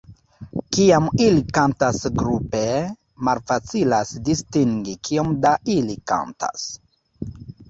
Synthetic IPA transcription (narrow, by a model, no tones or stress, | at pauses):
kiamilikantasɡɾupe | malfat͡silasdistiŋɡikʰio̞mdailika̰nta̰s